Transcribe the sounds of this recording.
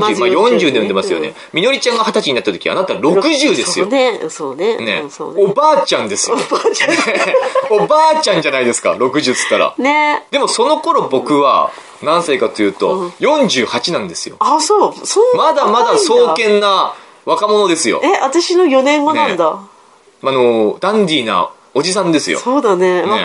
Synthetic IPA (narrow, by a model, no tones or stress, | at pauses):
majõ̞ɲd͡ʑɨːd̪ejõemasɨjo̞̰ne̞̰ | mʲino̞ɾʲit͡ɕãŋɡahat̪at͡ɕiɲ̟inat̪ːat̪okʲiia̰nat̪aɾo̞kɯ̟ʑɨːd̪esɨjosoːnenḛso̰ːobaːt͡ɕãnd̪e̞sɨat͡ɕa | obaːt͡ɕãɲ̟d͡ʑanaid̪e̞sɨ̥ka̰ɾo̞kɯ̟ʑɨːt͡sɨ̥t̪ːaɾa̰ned̪e̞mo̞so̞no̞ko̞ɾo̞bo̞kɯ̟βa̰ | nãɰ̃saikat̪o̞jɯ̟ːt̪o̞jõ̞ɲ̟d͡ʑɨːhat͡ɕinãnd̪e̞sɨjo̞̰asoːsomad̪amad̪aso̞ːkẽ̞nːa | βakamo̞no̞d̪e̞sɨjo̰eʔat̪aɕino̞jo̞nẽ̞mːonãnd̪a | ano̞d̪ãnɾʲiːna̰ | o̞d͡ʑisãnd̪e̞sɨjo̰soːd̪anemae